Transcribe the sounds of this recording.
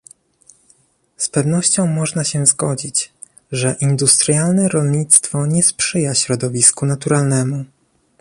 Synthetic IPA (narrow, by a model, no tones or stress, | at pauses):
spɛvn̪ɔɕt͡ɕɔ̃w̃mɔʐnaɕɛzɡɔd͡ʑit͡ɕ | ʐɛʔind̪ust̪ɾjalnɛɾɔlɲit̪st̪fɔɲɛspʂɘjaɕɾɔd̪ɔvʲiskunat̪uɾalnɛmu